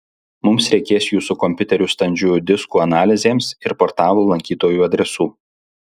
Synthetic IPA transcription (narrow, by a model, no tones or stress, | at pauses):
mʊmsɾʲɛɪkʲeːsjuːsukɔmʲpʲʊt̪ʲɛɾʲuːst̪ɐnʲd͡ʒʲuːd̪ʲɪskuːɐnɑːlʲɪzʲeːmsɪɾpɔɾt̪ɑːlˠoːlˠɐŋʲkʲiːt̪oːjuːɐd̪ʲɾʲɛsuː